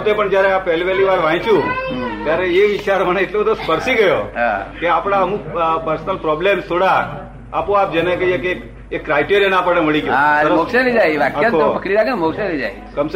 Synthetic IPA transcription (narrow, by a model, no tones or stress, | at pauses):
t̪epəɳd͡ʒjaɾeapɛɦlipɛliʋaɾʋãĩt͡ʃʰũt̪jaɾeeʋit͡ʃaɾməneːʈlobəd̪ospəɾsiɡəjoa̰keapɽ̃aəmukpəɾsnəlpɾɔblemst̪ʰoɽaː | põap̚d͡ʒənekəiekek | ekːɾajʈeɾijənapəɽeməɭiɡjoɦaɾmokʃenid͡ʒajʋakaoopəkɽiɾakʰenmokʃelid͡ʒa̰j | kəms